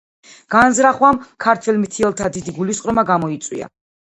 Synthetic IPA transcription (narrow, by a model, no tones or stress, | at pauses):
ɡ̥anzɾaχwamkʰaɾt̪ʰwɛlmit̪ʰiɛlˠt̪ʰad̪id̪iɡulisqʼɾɔmaɡamɔit̪sʼwḭa̰